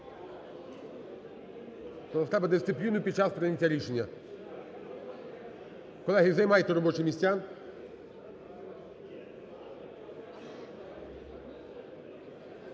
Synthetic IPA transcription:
p̪ɔɐt̪ɾɛbɛd̪ɪst̪ɪplʲinʊpʲid̪̥̚t͡ʃaspɾenʲetʲːaɾʲiʃenʲːɐ | kɔlˠɛɦʲijizɐjmɑjet̪ɛɾɔbɔt͡ʃɪmʲisʲtʲan

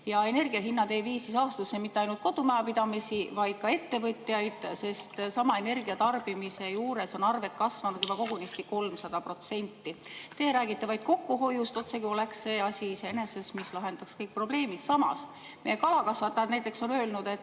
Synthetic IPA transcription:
jɑe̞ne̞rɡ̥iɑɦinːɑd̪e̞ːviːsisɑːst̪usːemit̪ːeɑjnult̪̚ko̞d̪umæɑpid̪̥ɑmisivɑjd̪̥̚kɑe̞t̪ːe̞vɤt̪ʲːˑjɑjd̪̥se̞st̪sɑmɑe̞ne̞rɡiɑt̪ɑrb̥imise̞juːɾe̞so̞nɑrve̞t̪̚ˑkɑsvɑnud̪̥jub̥ɑko̞ɡ̥unist̪iko̞lmsɑd̪̥ɑpro̞t̪se̞nʲt̪ːit̪e̞ːɾæːɡ̥it̪ːˑevɑjd̪̥ko̞kːuɦo̞just̪o̞t̪se̞kio̞leksse̞ːɑsʲiseene̞se̞smislɑɦe̞nd̪̥ɑkskɤjk̚pro̞ble̞ːmid̪sɑmɑ̰s | meje̞kɑlɑkɑsvɑt̪ːˑɑjɑd̪næjt̪ːˑe̞kso̞nø̞ːlnud̪̥e̞t̪ː

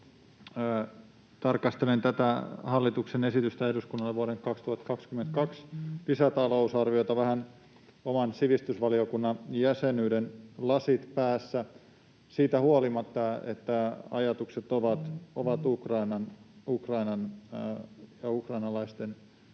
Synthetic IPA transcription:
t̪ɑrkɑst̪elent̪æt̪æhɑlːit̪uksenesit̪yst̪æehduskunːɑlːeʋuoɾeŋkɑkst̪uhɑt̪kɑkskyment̪kɑksisæt̪ɑlousɑrʋiot̪ɑʋæhæn | omɑnsiʋist̪ysʋɑliokunːɑnjæsenyːdenlɑsit̪pæːsːæ | siːt̪æhuolimɑt̪ːɑḛt̪ːæɑ̰jɑt̪ukset̪oʋɑt̪oʋɑt̪ukrɑinɑnukrɑinɑn | jɑukrɑinɑlɑist̪en

